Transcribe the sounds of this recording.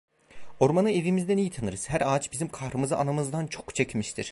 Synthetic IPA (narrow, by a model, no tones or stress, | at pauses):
o̞ɾmanɯe̞vimizd̪ɛnijit̪ʰanɯɾɯz̥hæɾaːt͡ʃbizimkʰahɾɯmɯzɯ̰ʔanamɯzd̪ant͡ʃʰo̞kt͡ʃʰecmiʃt̪ʰiɾ̥